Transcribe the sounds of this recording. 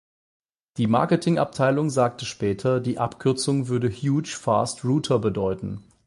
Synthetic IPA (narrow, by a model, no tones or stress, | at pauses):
d̥iːma̰ɐkətʰɪŋʔa̰p̚tʰaɪlʊŋzaːk̚təʃpɛːtʰɐdiːʔapkʰʏɐt͡sʊŋvʏɐdəhjuːt͡ʃfa̰ːstʁuːtʰɐbədɔʏtn̩